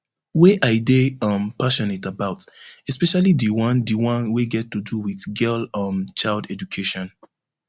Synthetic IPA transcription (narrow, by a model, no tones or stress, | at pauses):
weʔaɪdeʌ̃mpaʃɔnetabaʊtɛspɛʃalidiwʌ̃ndiwɔ̃nweɡɛtːuduwiθɡɛlʌ̃mt͡ʃaɪldɛd͡ʒukʰeʃɔ̃n